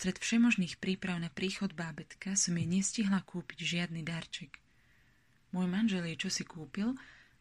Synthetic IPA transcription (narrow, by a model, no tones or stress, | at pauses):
st̪ɾɛt̪fʃɛmɔʒniːxpɾiːpɾaʊnapɾiːxɔd̪baːbɛt̪kasɔmjɛɲɛsciɦlakuːpiɟʒɪad̪nid̪aɾt͡ʃɛk | mʊɔjmanʒɛlɛt͡ʃɔsikuːpil